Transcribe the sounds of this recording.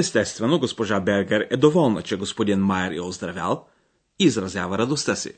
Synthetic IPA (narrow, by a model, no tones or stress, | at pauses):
ɛst̪ɛst̪vɛnoɡospoʒabɛɾɡɛɾɛd̪ovɔlˠnə̰t͡ʃɛɡospod̪inmajɛɾɛozd̪ɾavʲja̰lˠ | iːzɾɐzʲjavɐɾɐd̪ost̪əsḭ